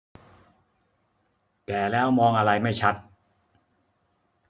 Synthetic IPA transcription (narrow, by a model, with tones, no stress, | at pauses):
kɛː˨˩lɛː˦˥wmɔː˧ŋʔa˧ɾa˧jma˥˩jt͡ɕʰa˦˥t̪̚